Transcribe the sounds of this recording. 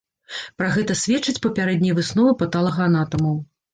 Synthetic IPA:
pɾaɣɛt̪ɐsʲvʲɛt͡ʂːɨt͡sʲpɐpʲaɾɛd̪nʲɐjvɨsnɔvɨpɐt̪alˠɐɣɐanat̪ɐmɐw

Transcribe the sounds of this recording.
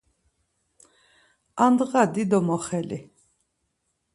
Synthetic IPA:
and̪ɣad̪id̪ɔmɔχɛlḭ

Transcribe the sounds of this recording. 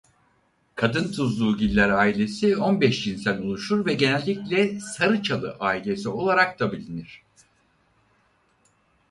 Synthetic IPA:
kʰad̪ɯnt̪ʰuzlˠuːɟilʲːæɾaːilʲe̞sionbɛʃd͡ʒinsænʲulˠuʃuɾvɛɟe̞nɛlʲːiclʲɛsaɾɯt͡ʃʰalˠɯʔaːilʲe̞sio̞lˠaɾak̚t̪abilʲiniɾ̝̥

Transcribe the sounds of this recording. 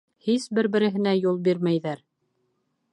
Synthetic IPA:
hisbɘɾbɘ̆ɾɘ̆ɦɘ̆næjulˠbiɾmæjðæɾ

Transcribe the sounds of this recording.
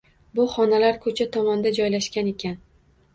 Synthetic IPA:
bʊχɒnalaɾkʰɵt͡ʃʰat̪ʰɒmɒnd̪ad͡ʒɒjlaʃkʲane̞kʲan

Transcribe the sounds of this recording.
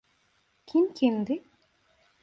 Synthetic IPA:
kʲʰimkʲʰimd̪ɪ

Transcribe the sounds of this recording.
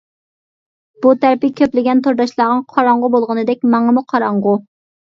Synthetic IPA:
b̥ut̪ʰæɾpɪkʲʰøplɪɡʲɛnt̪ʰoɾd̪ɑʃlˠɑːʁɑŋqʰɑɾɑɴʁʊbolˠʁənɨd̪ɛk̚ʲmɑŋəmuqʰɑɾɑɴʁʊ

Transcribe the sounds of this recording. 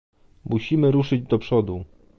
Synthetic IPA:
muɕimɘɾuʂɘd͡ʑd̪ɔpʂɔd̪u

